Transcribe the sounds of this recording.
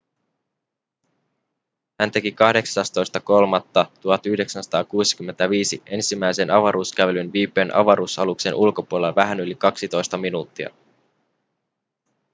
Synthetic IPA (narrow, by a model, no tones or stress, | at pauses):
hænt̪e̞kikɑhde̞ksɑst̪o̞jst̪ɑko̞lmɑt̪ːɑt̪uɦɑt̪yhde̞ksænsɑ̥t̪ɑːkuːsi̥k̟ymːe̞nt̪æʋiːsiʔe̞nsimːæjse̞nɑʋɑɾuːskæʋe̞lynʋiːpːˑe̞ːnʔɑ̰ʋɑɾuːsɑlukse̞nʔulko̞puoleʋæɦænylikɑksit̪o̞jst̪ɑminuːt̪ːiɑ̰